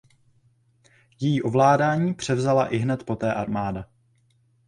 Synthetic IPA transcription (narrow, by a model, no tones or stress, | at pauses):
jɛjiːʔo̞vlaːdaːɲiːpr̝̥ɛvzalaʔɪɦnɛt̪po̞t̪ɛːʔaɾmaːda